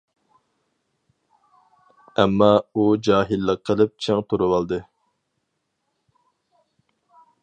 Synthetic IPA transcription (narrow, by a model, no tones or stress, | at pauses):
ɛmːɑud͡ʒɑːɦilːəqʰːəlˠɨp̚t͡ʃʰeŋt̪ʰuɾuwɑlˠd̪ɨ